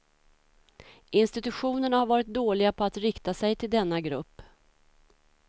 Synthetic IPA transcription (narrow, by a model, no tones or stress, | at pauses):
ʔɪnst̪ɪt̪ɵɧuːnəɳahaɾvɑːɾɪt̪̚d̪oːlɪɡapʰɔat̪ɾɪkt̪asɛjt̪ʰɪld̪ɛnːaɡɾɵpː